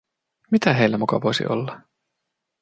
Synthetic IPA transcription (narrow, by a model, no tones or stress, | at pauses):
mit̪æɦe̞ijlːæmukɑʋojsḭʔo̞̰lːɑ